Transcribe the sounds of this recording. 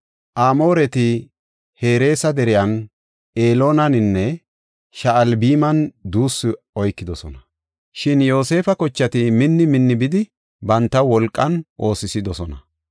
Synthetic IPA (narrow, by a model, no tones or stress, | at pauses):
ʔaːmo̞ːɾɛt̪ɪ | he̞ːɾe̞ːsɐd̪ɛɾɪjɐn | ʔe̞ːlo̞ːnɐnɪnːɛ | ʃɐːlbiːmɐnd̪uːsːɪ | ɔjkːɪd̪ɔsɔnɐ | ʃɪnjo̞ːse̞ːfɐkɔt͡ʃːɐt̪ɪmɪnːɪmɪnːɪbɪd̪ɪ | bɐnt̪ːɐwɔlkʼːɐnʔo̞ːsɪsɪd̪ɔsɔnɐ